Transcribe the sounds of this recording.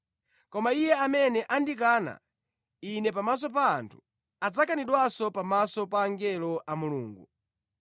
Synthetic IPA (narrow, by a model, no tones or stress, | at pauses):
kɔmaijɛamɛnɛʔandik̬aːna̰ | inɛpamas̬ɔp̬a̰ːntʰu̥ | ad͡zakaniɗwasɔpamasɔpaːŋɡɛlɔʔamuluːŋɡu